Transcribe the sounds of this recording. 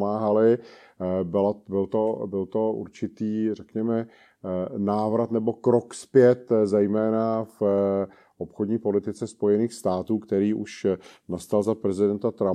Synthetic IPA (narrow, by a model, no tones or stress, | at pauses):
maːɦalɪ | bɪlabɪlt̪obɪlt̪o̞ʔṵɾt͡ʃɪt̪iːrɛkɲɛmɛ | naːvɾat̪nɛbo̞kɾokspjɛt̪zɛjmɛːnaf | ʔopxodɲiːpo̞lɪt̪ɪt͡sɛspo̞jɛniːxst̪aːt̪uːkt̪ɛɾiːʔuʃnast̪alzapɾɛzɪdɛnt̪at̪ɾa